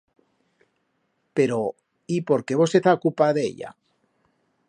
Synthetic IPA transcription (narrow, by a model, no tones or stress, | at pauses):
peɾo | ipo̞ɾke̞β̞o̞seθakupaðḛʎa̰